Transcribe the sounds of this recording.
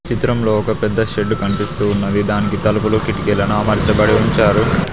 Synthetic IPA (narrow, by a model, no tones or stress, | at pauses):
t͡ʃit̪ɾɐmloːɔkɐpɛd̪ːɐʃeɖːukɐɳipist̪uːnːɐd̪id̪aːnikit̪ɐlɐpuloːkiʈikelɐnuaːmɐɾt͡ʃɐbɐɽiuɲt͡ʃaːɾu